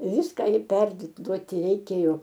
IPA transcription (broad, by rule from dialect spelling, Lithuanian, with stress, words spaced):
ˈʋʲɪskɐ ɪr ˈpʲɛrduɔtʲɪ rʲɛɪˈkʲeːjoː